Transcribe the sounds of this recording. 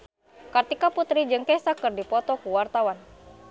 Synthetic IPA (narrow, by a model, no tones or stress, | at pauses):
kərt̪ikaput̪ɾid͡ʒɨŋkɛsakɨrdipɔt̪ɔkuwart̪awan